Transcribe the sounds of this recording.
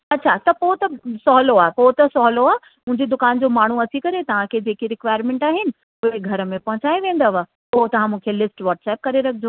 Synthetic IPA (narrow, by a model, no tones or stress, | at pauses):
ɐtːɕʰat̪ɐpoːt̪ɐsɔːɦloaːepoːt̪ɐsɔɦloaːe | mʊ̃ɦɪ̃ɲd͡ʑid̪ʊkaːnd͡ʑoːmaːɳ̤uɐt͡ɕʰikɐɾet̪ɐʋ̤ãkʰed͡ʑeːkiɾɪkʋaːɪɾmẽːɳʈaːɦɪnɪ̆ | ʊɦeɡʱɐɾə̆mẽpɐɦʊ̃t͡ɕaːiʋẽːn̆d̪əʋa | poːɦt̪ɐʋ̤ãmũːkʰelɪsʈʋɔːʈsɛːp̚kɐɾeɾɐkʰɪd͡ʑoː